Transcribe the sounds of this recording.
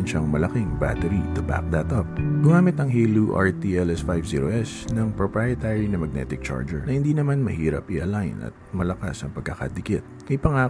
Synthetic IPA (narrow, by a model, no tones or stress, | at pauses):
nʃɐŋmɐlɐkɪŋba̰t̪ɛɾit̪ʊba̰k̚d̪ɐt̪ʔɐp̚ɡ̥ʊŋaːmɪt̪ɐŋɦiluʔɐ̰ɹt̪iʔɛlɛsfajvsḭːɾoʔɛsnɐŋpɹopɹajɐt̪aɹinɐmɐɡ̚nɛ̰t̪ɪk̚t͡ʃa̰ɹd͡ʒɛ̰ɹnɐhɪnd̪iːnɐmanmɐ̰hiːɾɐ̰pʔiʔɐlajnɐ̰t̪̚mɐlɐka̰sɐŋpɐɡ̚kɐkɐ̰d̪ɪkɪt̪̚mɐjpɐŋaː